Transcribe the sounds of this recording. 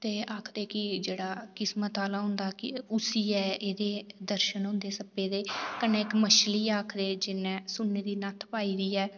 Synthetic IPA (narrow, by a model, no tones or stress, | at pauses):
t̪eːaːkʰd̪eːkɪd͡ʒeːɽaːkɪsmət̪aːlaːɦʊ̃nd̪aːkɪʊsiːɛːeːd̪eːd̪əɾʃənɦʊ̃nd̪eːsəpeːd̪eːkəneːɪkməʃliːaːkʰd̪eːd͡ʒɪnɛ̃ːsʊnːeːd̪iːnət̪ʰpaːiːd̪iːɛː